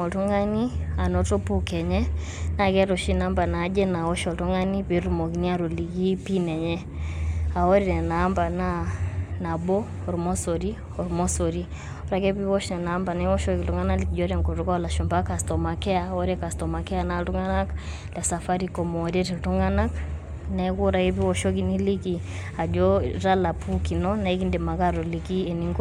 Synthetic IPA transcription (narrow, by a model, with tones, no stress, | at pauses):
ɔ˨tu˦ŋa˦ni˦a˨nɔ˨to˦pu˦kɛ˨ɲɛ˦ | na˨kɛ˦ɾɔ˨ʃi˦na˦mba˨na˨˦d͡ʒɛ˦na˨wɔ˦ʃɔ˨tu˦ŋa˦ni˦pi˨˦ɾu˨mɔ˨ki˨ni˦a˦ɾu˨li˨ɡi˦pi˦nɛ˨ɲɛ˦ | a˨ɔ˦ɾi˨nɛ˨naː˨˦mba˨na˦na˨bɔ˦ | ɔ˨ɾu˨mɔ˦so˨ɾi˦ | ɔ˨ɾmɔ˦so˨ɾi˦ | ɔ˦ɾa˦kɛ˦pi˦wɔ˦ʃnɛ˨naː˨˦mba˨nɛ˦wɔ˦ʃɔ˦ki˨tu˦ŋa˦na˦li˨ki˨d͡ʒɔ˦ɾa˦ŋkɔ˨tu˨˦ka˦ɔ˦la˨ʃɔ˨mba˦ka˨stɔ˨ma˨kɛ˦a˨ɔ˦ɾɛ˦ka˨stɔ˨ma˨kɛ˦a˨na˨tu˦ŋɡa˦na˦k | lɛ˨sa˨fa˦ɾi˨kɔ˨mɔː˨ɾɛ˦ti˨tu˦ŋa˦na˦k | nɛ˦ku˦ɾa˨i˦pi˦wɔ˦ʃɔ˦ki˦ni˦li˦ki˨a˨d͡ʒɔ˦ɾa˦la˨pu˦ki˨nɔ˦na˨i˦ki˦nde˨ma˨ka˦ɾɔ˨li˨ki˦e˨ni˦ŋɡ